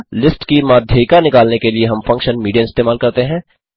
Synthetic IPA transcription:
lɪsʈkimaːd̪ʱjəkanɪkaːlnekelieɦɐmfɐ̃ŋkʃənmiːɖijaɪst̪eːmaːlkɐɾt̪eɦɛ̃ː

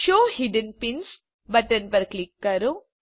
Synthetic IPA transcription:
ʃoːhiɖənpĩns | bɐʈənpɐɾklikːɐɾu

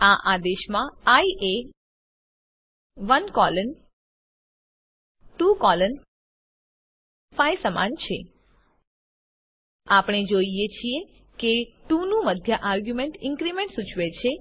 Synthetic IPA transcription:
aʔad̪eʃmãaiʔe | ʋənkɔlən | ʈukɔlən | fajsəma̰nt͡ʃʰe | apɳ̃ed͡ʒoijet͡ʃʰie | keʈũnũməd̪ʱjəʔaɾɡjumeɳʈɪ̃ŋkɾimẽɳʈsut͡ʃʰʋet͡ʃʰe

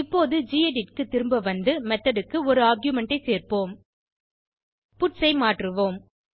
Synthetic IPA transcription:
ɪpːoːðɯd͡ʒiːeɖɪʈ̚kɯt̪ːɪɾɯmbɐʋɐnd̪ɯmɛt̪ːɐɽɯkːɯɔɾɯaːɾɡjʊmɛɳʈɐɪseːrpoːm | pʊʈsɐɪmaːʈrɯʋoːm

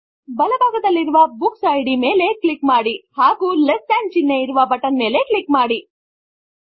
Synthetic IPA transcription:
bɐlɐbʱaːɡɐd̪ɐlːiɾuʋɐbuksɐjɖime̞ːle̞klikmaːɽihaːɡuːlesʈaːɳd͡ʒinːeiɾuʋɐbɐʈɐnme̞ːle̞klikmaːɽi

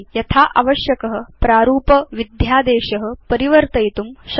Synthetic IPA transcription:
jɐt̪ʰaːʔɐʋɐʃjɐkɐɦɐ̆pɾaːɾuːpɐʋid̪ʱjaːd̪eːʃɐɦɐ̆pɐɾiʋɐɾt̪ɐjt̪umʃ

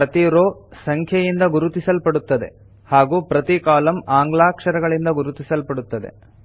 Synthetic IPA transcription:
ɾɐt̪iɾoːsɐŋkʰjɐjind̪ɐɡuɾut̪isɐlpɐɽut̪ːɐd̪e̞̰ | haːɡuːpɾɐt̪ikaːlɐmaːŋɡɭaːkʂɐɾɐɡɐɭind̪ɐɡuɾut̪isɐlpɐɽut̪ːɐd̪e̞̰

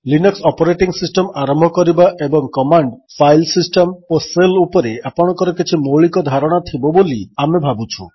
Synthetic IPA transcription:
linɔksɔpɔɾeʈiŋsisʈɔmaɾɔmbʱɔkɔɾibaʔebɔŋkɔmaɳɖpʰajlsisʈɔmoselupɔɾeapɔɽ̃ɔkɔɾɔkit͡ʃʰimoɭikɔd̪ʱaɾɔɽ̃at̪ʰibɔboliamebʱabut͡ʃʰu

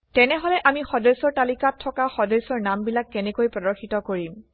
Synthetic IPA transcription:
tɛnɛɦɔlɛʔamixɔdesɔɹtalikatʰːɔkaxɔdesɔɹnambilakːɛnɛkojpɹɔdɔɹxitɔkoɹim

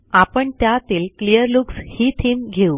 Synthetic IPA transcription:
apəɳt̪jat̪iːlklijəɾlukshiːt̪ʰiːmɡʱeu

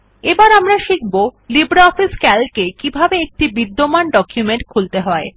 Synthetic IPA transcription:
ebaɾamɾaʃik̚ʰbolibɾaɔfiskɛlkekibʱabeek̚ʈibid̪ːomanɖɔkjumeɳʈ̚kʰult̪eɦɔe

